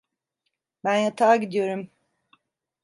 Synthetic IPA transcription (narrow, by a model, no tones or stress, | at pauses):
bænjat̪ʰaːɟid̪ijo̞ɾum